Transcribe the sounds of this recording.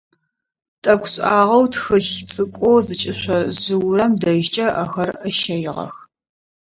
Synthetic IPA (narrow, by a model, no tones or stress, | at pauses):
tʼɐkʷʰʼɕʼaːʁɐwtxɨɬt͡sʼɨkʷʼoːzɨt͡ʃʼɪɕʷɔʑɨwrɐmdɐʒt͡ʃʼɐʔɐxɐrəʃɐjɪʁɐ̰x